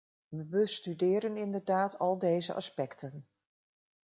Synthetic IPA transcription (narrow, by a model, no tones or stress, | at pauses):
ʋəbəstydɪːɾənɪndəɹdaːtʰɑlˠdejzə̰ʔɑ̰spɛktʰən